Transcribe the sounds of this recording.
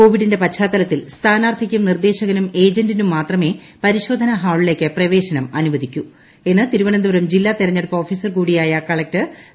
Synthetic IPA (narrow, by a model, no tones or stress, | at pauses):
ko̞ːʋiɽinde̞pɐtɕʰaːt̪ːɐlɐt̪ːilst̪ʰaːnaːrt̪ʰikʲːumnird̪e̞ːɕɐɣɐnume̞ːd͡ʑɐndinumːaːt̪rɐme̞ | pɐɾiɕo̞ːd̪ʱɐnɐɦaːɭile̞ːkʲːɨprɐʋe̞ːɕɐnɐmɐnuʋɐd̪ʱikʲːu | e̞nːɨt̪iɾuʋɐɳɐnd̪uʋɐɾɐmd͡ʑilːaːt̪iɾɐɲːeɽupːɐoːfiːsɐrkuːɽijaːjɐkɐɭɐk̚tɨ